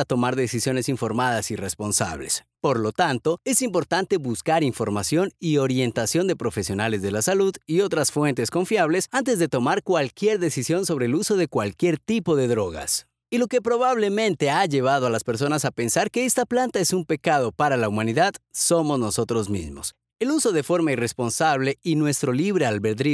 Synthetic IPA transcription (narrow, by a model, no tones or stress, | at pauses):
at̪o̞maɾðe̞sisjo̞ne̞siɱfo̞ɾmaðasire̞spo̞nsa̰β̞le̞̰s | po̞ɾlo̞t̪ant̪o̞e̞simpo̞ɾt̪ant̪e̞βuskaɾiɱfo̞ɾmasjo̞nio̞ɾje̞nt̪asjo̞nd̪e̞pɾo̞fe̞sjo̞nale̞zðe̞lasaluðio̞t̪ɾasfwe̞nt̪e̞sko̞ɱfjaβ̞le̞sant̪̬e̞zðet̪o̞maɾkwalkje̞ɾðe̞sisjo̞nso̞β̞ɾe̞ːluso̞ðe̞kwalkje̞ɾt̪ipo̞ðe̞ðɾo̞ɣa̰s | ilo̞ke̞pɾo̞βaβ̞le̞mẽ̞nt̪e̞aʝe̞β̞aðo̞alaspe̞ɾs̬o̞nasape̞nsaɾke̞est̪aplant̪aesumpe̞kað̞o̞paɾalaumãniðaðso̞mo̞zno̞so̞t̪ɾo̞zmḭzmo̞s | e̞luso̞ð̞e̞fo̞ɾmairespo̞nsaβle̞inwe̞st̪ɾo̞liβɾealβeɾðɾi